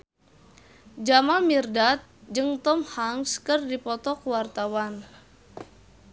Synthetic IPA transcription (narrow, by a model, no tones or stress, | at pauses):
d͡ʒamamirdat̪̚d͡ʒɨŋt̪ɔmhaŋskɨrdipɔt̪ɔkwart̪awan